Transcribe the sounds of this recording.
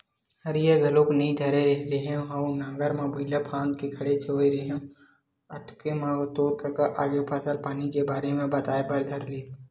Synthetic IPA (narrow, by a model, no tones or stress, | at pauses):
hɐɾijaɡ̪ɐloːknĩd̪ʱɐɾeɾɛɦleɦɛ̃ɦɐũnãːŋɡəɾmãbʱʊɪlapʰãːnd̪kekʰɐɽet͡ʃʰeʋiɾeɦəm | ɐt̪ʊ̥kemãʋt̪oːɾkakaʔaːd͡ʒoːpʰasəlpaːnikebaːɾemẽbɐt̪aːebɐɾd̪ʱɐɾliːt̪